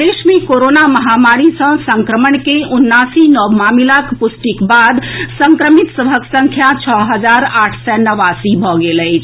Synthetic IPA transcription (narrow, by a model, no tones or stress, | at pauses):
d̪esmekoɾonaməɦamaɾisə̃sə̃ŋkɾəməɳkeunːasinɔbmamilakpusʈikbad̪səŋkɾəmit̪səbʱəksə̃ŋkʰjat͡ʃʰɔɦəd͡ʒaɾaʈʰsɛnəʋasibʱɔɡeləɪt͡ʃʰ